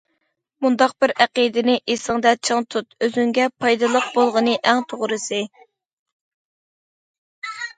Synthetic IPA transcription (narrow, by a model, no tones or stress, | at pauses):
mund̪ɑq̚b̥ɪɾæqid̪ɪnɪʔesɨŋd̪ɛt͡ʃʰəŋt̪ʰut̪øzyŋɡʲɛpʰɑjd̪ɨlˠəq̚bolˠʁənɨʔɛŋt̪ʰoʁɾɨsɨ